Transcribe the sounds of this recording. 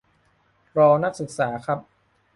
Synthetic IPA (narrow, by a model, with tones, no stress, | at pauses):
ɾɔː˧na˦˥k̚sɯ˨˩k̚saː˩˦kʰɾa˦˥p̚